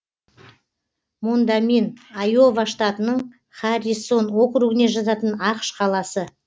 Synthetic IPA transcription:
mund̪aminɑjo̞vaʃt̪ɑt̪ənəɴ | χaɾʲiso̞nwo̞qɾuɡɪne̞ʒɑt̪ɑt̪ənɑqʃqʰɑlˠɑsə

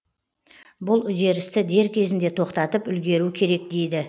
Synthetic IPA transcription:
bʊlˠʏd̪e̞ɾɪst̪ɪd̪e̞ɾkʲʰe̞zɪnd̪e̞t̪ʰo̞qt̪ɑt̪əpʏlɡʲe̞ɾukʲʰe̞ɾe̞k̚d̪e̞jd̪ɪ

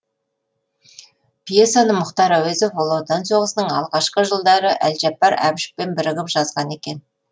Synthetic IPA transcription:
pijesanəmʊχt̪ɑɾɑwezofolˠot̪ɑnso̞ʁəsənəɴɑlˠʁɑʃqəʒəlˠd̪ɑɾəʔælʒɑpːɑɾæ̰bɪʃɪ̥p̚pe̞nbɪɾɪʁʲɪpʒɑzʁɑne̞kʲe̞n

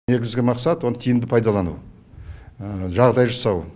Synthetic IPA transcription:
e̞ɡʲɪzɡʲɪmɑqsɑt̪wo̞nət̪ʰijɪmd̪ɪpʰɑjd̪ɑlˠɑnṵ | ʒɑʁd̪ɑjʒɑsɑw

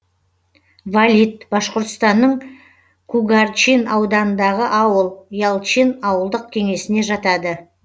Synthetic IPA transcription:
valʲit̪b̥ɑʃqoɾt̪əst̪ɑnːəɴ | kʰuɡart͡ʃinɑwd̪ɑnənd̪ɑʁəʔɑwəlˠjɑlˠt͡ʃinɑwəlˠd̪əq̚kʲʰe̞ŋe̞sɪne̞ʒɑt̪ɑd̪ə

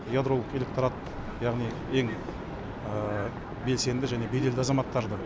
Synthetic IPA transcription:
jad̪ɾo̞lˠəqe̞lek̚t̪ɾat̪̚ | jɑʁnij | e̞ŋ | ə | be̞lse̞nd̪ɪʒæne̞be̞d̪e̞ld̪ɪɑzɑmɑt̪ːɑɾd̪ə

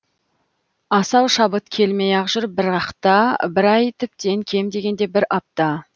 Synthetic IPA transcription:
ɑsɑwʃɑbət̪kʲʰe̞lme̞jɑqʒʊɾp̚bɪɾɑqt̪ɑbɪɾɑjt̪ʰʏp̚t̪e̞ŋkʲʰe̞md̪e̞ɡʲe̞nd̪e̞bɪɾɑp̚t̪ɑ

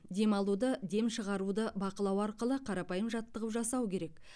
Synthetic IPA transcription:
d̪e̞mɑlˠud̪əd̪e̞mʃəʁɑɾud̪əbɑqəlˠɑwɑɾqəlˠəqʰɑɾɑpɑjəmʒɑt̪ːəʁəpʒɑsɑwkʲʰe̞ɾe̞k

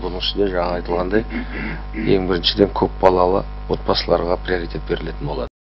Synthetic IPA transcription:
bʊnəɴɪʃɪnd̪e̞ʒɑɴɑɑjt̪əlˠʁɑnd̪ɑj | e̞ŋbɪɾɪnʃɪd̪e̞ŋkʲʰɵp̚bɑlˠɑlˠə̰ | wo̞t̪̚bɑsəlˠɑ̰ɾʁɑprʲio̞ɾijt̪ʰʲe̞t̪̚be̞ɾɪle̞t̪ɪnbo̞lˠɑd̪ə

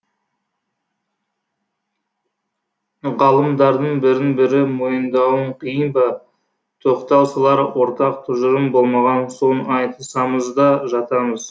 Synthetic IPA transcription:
ʁɑlˠəmd̪ɑɾd̪əɴbɪɾɪŋbɪɾɪmo̞jənd̪ɑwəɴqʰijənbɑ | t̪ʰo̞qt̪ɑwsəlˠɑɾwo̞ɾt̪ɑq̚t̪ʰʊʒəɾəmbo̞lˠmɑʁɑnso̞nɑjt̪əsɑməzd̪ɑʒɑt̪ɑməz

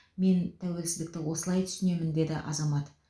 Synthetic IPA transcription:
me̞nt̪ʰæwe̞lsɪzd̪ɪk̚t̪ɪwo̞səlˠɑjt̪ʰʏ̥sɪne̞mɪnd̪e̞d̪ɪʔɑ̰zɑmɑt̪

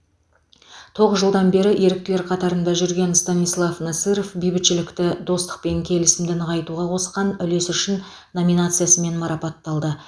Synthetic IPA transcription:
t̪ʰo̞ʁəzʒəlˠd̪ɑnbe̞ɾɪʔe̞ɾɪk̚t̪ɪle̞ɾqʰɑt̪ɑɾənd̪ɑʒʏɾɡʲe̞nst̪ɑnijslˠɑfnɑsiɾofbijbɪt̪ʃɪlɪkt̪ɪd̪o̞st̪ə̥q̚pe̞ŋkʲʰe̞lɪsɪmd̪ɪnqʰɑjt̪uʁɑqʰo̞sqɑnʏle̞sʏʃɪnː | o̞mʲinat̪sɨjasəme̞nmɑɾɑpɑt̪ːɑlˠd̪ə

